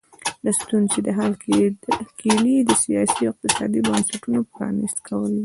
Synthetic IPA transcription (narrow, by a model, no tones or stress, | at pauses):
last̪unzed̪əɦalkekʰelid̪əsijɑsiawɪq̚t̪ɪsɑ̰d̪ibənsaʈunopɾɑ̰nist̪kʰawəli